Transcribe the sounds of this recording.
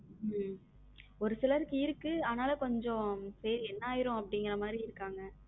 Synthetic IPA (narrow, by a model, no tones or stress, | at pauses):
m | ɔɾɯsɪlɐɾɯkːɯɪɾɯkːɯaːnaːlɐkɔɲd͡ʒɔ̃sɐɾiɛnːaːjɪɾõɐpːɐɽɪŋɡɪɾɐmaːd̪ɾiɪɾɯkːaːŋɡɐ